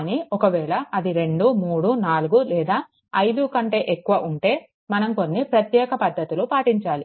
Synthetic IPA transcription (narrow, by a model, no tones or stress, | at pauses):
niɔkɐʋɛːɭɐɐd̪iɾe̞ɳɖumuːɽunaːluɡulɛːd̪aː | ɐjd̪ukɐɳʈe̞ːʔekːuʋɐʔuɳʈe̞ː | mɐnɐmko̞nːipɾɐt̪jɛːkɐpɐd̪ːɐt̪ilupaːʈiɲt͡ʃaːli